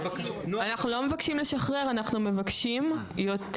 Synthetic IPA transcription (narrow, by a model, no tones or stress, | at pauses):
anaχnulo̞mevakʃimleʃaχʁe̞ʁanaχnume̞vakʃim | jo̞t